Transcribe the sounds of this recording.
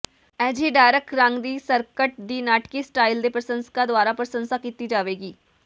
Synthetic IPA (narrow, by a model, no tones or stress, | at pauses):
ɛːd͡ʒiɖaːɾəkɾãŋɡd̪iːsəɾkəʈ̚d̪iːnaːʈkisʈaːɪld̪epɾəsə̃nskad̪ʊaːɾapɾəsə̃nsakiːt̪id͡ʒaːʋeːɡiː